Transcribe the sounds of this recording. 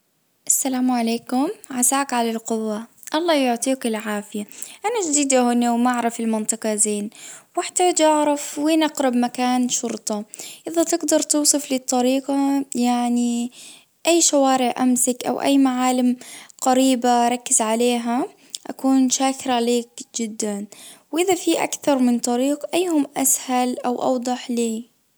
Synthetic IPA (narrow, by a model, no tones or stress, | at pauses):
ʔasːalaːmʕaleːkʊmʕazaːkʕalalqʊwːa | ʔɑlˤːɑːjʊʕt̪ˤiːkɪlʕaːfɪjaʔanaʒd̪iːd̪ahʊːnowmaʔaʕɾˤɑfɪlmɪnt̪ˤɨqɑzeːnwɪħt̪aːd͡ʒʔɑʕɾˤɑfweːnʔɑqɾɑbmakaːnʃʊɾt̪ˤɑʔɪðat̪ɪɡd̪ɑɾˤt̪uːsˤɨflɪt̪ˤːɑɾiːqɑjaʕni | ʔajːʃawaːɾɪʕʔamsɪkʔa̰wʔa̰jːmaʕaːlɪmqaɾiːbaɾˤɑkːɪzʕaleːɦa | ʔa̰kuːnʃaːkɾaʕleːkd͡ʒɪd̪ːanwʔɪðafiʔa̰kθɑɾˤmɪnt̪ˤɑɾiːqʔajːhʊmʔashalʔawʔɑ̰wd̪ˤɑħliː